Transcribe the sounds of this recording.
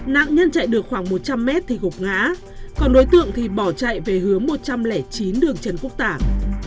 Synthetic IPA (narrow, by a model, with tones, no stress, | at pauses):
na̰ː˧˨ŋɲə˧nt͡ɕa̰˧˨jɗɨ˨˩ək̚xwaː˧˩ŋmo˨˩t̚t͡ɕa˧mːɛ˦˥t̚t̪ʰi˨˩kʊ˨˩k͡p̚ŋa̰ː˧˥ | kɔ˧nɗo˨˦jt̪ɨ̰˧˨əŋt̪ʰi˨˩ɓɔ˧˩t͡ɕa̰˧˨jve˨˩ɦɨ˨˦əŋmo˨˩t̚t͡ɕa˧mlɛ˧˩t͡ɕi˨˦nɗɨ˨˩əŋt͡ɕə˧˩nku˦˥ək̚t̪aː˧˩ŋ